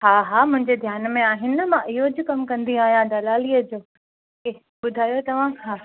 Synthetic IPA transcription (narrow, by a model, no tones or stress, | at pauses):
ɦaːɦaːmʊ̃ɦɪ̃ɲd͡ʑed̪ʱjaːnmẽaːɦɪnɪmãʔɪɦod͡ʑʱikɐmkɐ̃nd̪iaːɦijãd̪ɐlaːliːəd͡ʑoː | ke | ɓʊd̪ʱaːjot̪ɐʋ̤ãɦaː